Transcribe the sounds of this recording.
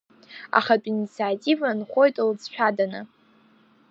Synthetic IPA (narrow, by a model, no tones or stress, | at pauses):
a̰χatʼinit͡sʰiatʼivanχʷo̞jtʼld͡zʃʷᶣʰadanɨ